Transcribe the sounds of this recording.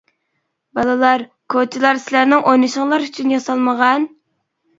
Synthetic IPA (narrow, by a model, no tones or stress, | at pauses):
bɑlˠɨlˠɑɾ | kʰot͡ʃʰilˠɑɾsɪlæɾnɪŋʔojnɨʃəŋlˠɑɾyt͡ʃʰynjɑsɑlˠməʁɑn